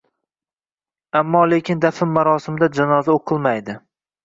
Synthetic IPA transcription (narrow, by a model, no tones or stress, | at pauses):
amːɒle̞kʲʰɪnd̪afɪmːaɾɒsɪmɪd̪ad͡ʒanɒzaoqʰɨlˠmajd̪ɪ